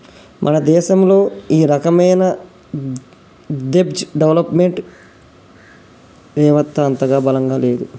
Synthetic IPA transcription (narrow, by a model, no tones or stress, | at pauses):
mʔɐnɐd̪ɛːʃɐmlo̞ːiːɾɐkɐmɐjnɐ | d̪ebd͡ʒɖeʋlɐpmeɳʈ | d̪ɛːʋɐt̪ːɐːnt̪ɐɡaːbɐlɐŋɡaːleːd̪u